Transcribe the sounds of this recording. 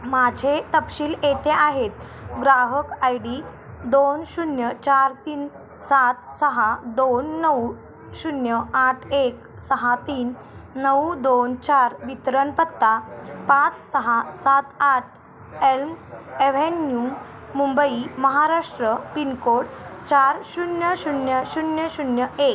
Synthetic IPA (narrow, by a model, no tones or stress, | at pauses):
mad͡ʑʱet̪əpɕiːlet̪eʔaɦet̪̚ɡɾaɦəkajɽi | d̪onɕunjət͡ɕaɾt̪iːn | sat̪səɦad̪onːəw | ɕunjəaʈʰek̚ | səɦat̪iːnː | əwd̪ont͡ɕaɾʋit̪ɾənpət̪ːapat͡ssəɦasat̪aʈʰ | elmeʋenju | mumbəiməɦaɾaʂʈɾəpinkoʈt͡ɕaɾɕunjəɕunjəɕunjəɕunjəʔek